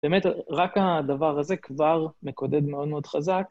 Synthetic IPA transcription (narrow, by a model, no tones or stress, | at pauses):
b̥emet̪ʁakad̪avaʁhaze̞kvaʁme̞ko̞d̪e̞d̪me̞o̞d̪meo̞d̪̥χazak